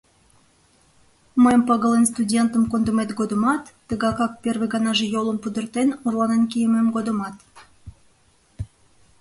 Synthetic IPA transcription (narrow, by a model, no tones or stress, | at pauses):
məjəmpɑɣəlenst̪udʲent̪əmkond̪əmet̪ɡod̪əmɑt̪ːəɣɑkɑk̚pʲerβeɣɑnɑʒejolˠəmpud̪ərt̪enurlˠɑnenkijəmemɡod̪əmɑt̪